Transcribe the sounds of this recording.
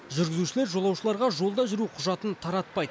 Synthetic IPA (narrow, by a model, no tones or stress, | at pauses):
ʒʏɾɡʲɪzuʃɪle̞ɾʒo̞lˠɑwʃəlˠɑɾʁɑʒo̞lˠd̪ɑʒʏɾuqʰʊʒɑt̪ənt̪ʰɑɾɑt̪̚pɑjd̪ə